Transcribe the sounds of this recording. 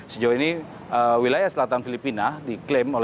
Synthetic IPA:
səd͡ʒawaini | ʔəwilajahsəlat̪anfilipinadiklɛmol

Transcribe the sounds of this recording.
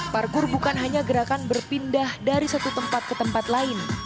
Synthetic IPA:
parkʊrbukanɦaɲaɡəɾakanbərpindahdaɾisat̪ut̪əmpat̪̚kət̪əmpat̪laɪn

